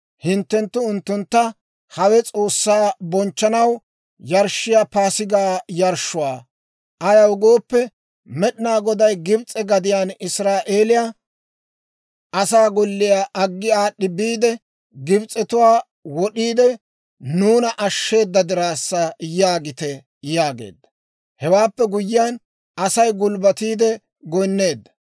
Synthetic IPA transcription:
hɪnt̪ːɛnt̪ːʊʊnt̪ːʊnt̪ːɐ | hɐwɛt͡sʼo̞ːsːaːbɔnt͡ʃːɐnɐw | jɐɾʃːɪjapaːsɪɡaːjɐɾʃːʊwaː | ʔɐjɐwɡoːpːɛ | mɛɗɪnaːɡɔd̪ɐjɡɪbt͡sʼːɛɡɐd̪ɪjaːnɪsɾaːʔe̞ːlɪja | ʔɐsaːɡɔlːɪjaːʔɐɡːɪaːɗɪbiːd̪ɛ | ɡɪbt͡sʼɛt̪ʊwaː | wɔɗiːd̪ɛ | nuːnɐʔɐʃːe̞ːd̪ːɐd̪ɪɾaːsːɐjaːɡɪt̪ɛ | jaːɡe̞̰ːd̪ːɐ̥ | hɛwaːpːɛɡʊjːɪjaːn | ʔɐsɐjɡʊlbɐt̪iːd̪ɛ | ɡɔjnːe̞ːd̪ːɐ̥

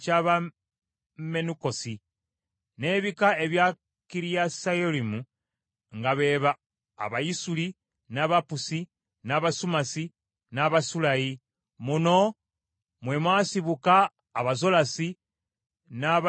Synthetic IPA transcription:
caβa | me̞nuko̞si | ne̞ːβikaeβja | kiɾijasajolimu | ŋɡaβe̞ːβa̰ː | βajisuli | naːβapusi | naːβasumasi | naβasulaji | muno̞ | mwemwaːsiβukaː | βazo̞lasi | naβ

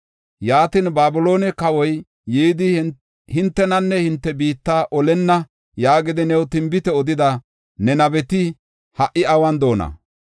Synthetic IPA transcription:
jaːt̪inbaːbʊlo̞ːnɛkɐwɔjː | iːd̪ɪ | hɪnt̪ːɛnɐnːɛhɪnt̪ːɛbiːt̪ːaːʔɔlɛnːɐ | jaːɡɪd̪ɪnɛwt̪ɪmbɪt̪ɛɔd̪ɪd̪ɐ | nɛnɐbɛt̪ɪ | hɐʔɪɐwɐnd̪o̞ːnɐ̰

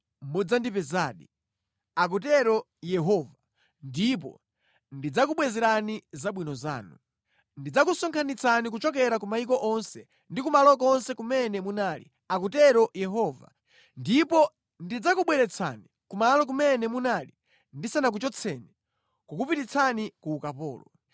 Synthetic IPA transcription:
m̩bud͡zandipɛzaːɗi | ak̬utɛɾɔ | jɛɦɔva | ndipɔ̰ | ndid͡zak̬uɓwɛzɛɾanizaɓwinɔza̰ːnu | ndid͡zak̬usɔŋkʰanit͡sʰanik̬ut͡ʃɔk̬ɛɾakumaik̬ɔʔɔnsɛ | ndik̬umalɔkɔnsɛkumɛnɛmunaːlḭ | ak̬utɛɾɔjɛɦɔːva̰ | ndipɔ | ndid͡zakuɓwɛɾɛt͡sʰa̰ni | kumalɔk̬umɛnɛmunali | ndisanak̬ut͡ʃɔt͡sʰɛnɛ | kukupitit͡sʰanikuːkapɔ̰ːlɔ

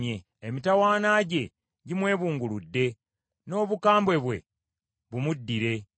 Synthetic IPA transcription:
e | emitawaːnaːɟe̞ | ɟimwe̞ːβuːŋɡuludːe̞ | no̞ːβukaːmbweβwe̞ | βumudːiɾe̞

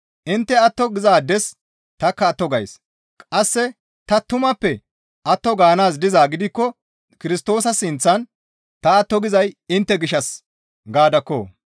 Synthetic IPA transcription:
ʔɪnt̪ːɛɐt̪ːɔɡɪzaːd̪ɛs | t̪ɐkːɐːt̪ːɔɡɐjs | kʼɐsːɛ | t̪ɐt̪ʊmɐpːɛ | ʔɐt̪ːɔɡaːnaːsd̪ɪzaːɡɪd̪ɪkːɔ | kɪɾɪst̪o̞ːs̬ɐsɪnt͡sːɐn | t̪ɐːt̪ːɔɡɪzɐjɪnt̪ːɛɡɪʃɐs | ɡaːd̪ɐkːo̰ː

